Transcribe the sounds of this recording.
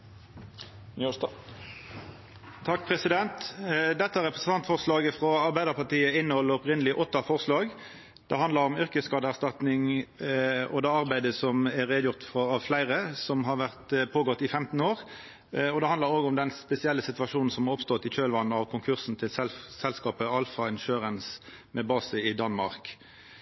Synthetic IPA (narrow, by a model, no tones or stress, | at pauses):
t̪ʰɑk̚ːpʰʁɛsɪd̪ɛnt̪d̪ɛt̪ːəæʁɛpʁəsən̩t̪ɑnt̪fɔʁslɑːɡəfʁɑɑɾʁbæɪd̪əʁpɑʈ̪iːəɪnːəhɔlːəɔpʁɪnəlɪʔɔt̪ːɑfɔʁslɑːɡ | d̪̥ɛɦɑnd̪əɾɔmʏʁkəskɑːd̪əæʁst̪ɑt̪nɪŋ | ɔ̰d̪ɑːɑʁbæɪd̪əsɔmɛɾeːd̪jʊʁt̪fʁɑɑʋflæɪʁəsɔmɦɑɾʋæʁt̪pʰoːɡɔt̪ːɪfɛmt̪n̩oːʁ | ɔd̪ɛhɑnd̪ləɾoːɡɔmd̪ɛnspɛsɪɛlːəsɪt̪ʋɑʂuːnn̩sɔmhɑɾʁɔpst̪ɔt̪ːɪçøːlʋɑnːɑʋkʰʊŋkʰʉʁsn̩t̪ʰɪlsɛsɛlskɑːpəɑlfɑɪnʃøːʁəns | mɛbɑːsəɪd̪ɑnmɑ̰ʁk